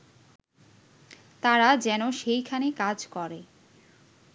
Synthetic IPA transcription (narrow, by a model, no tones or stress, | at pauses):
t̪aɾad͡ʑɛnoʃejkʰanekad͡ʑkɔɾe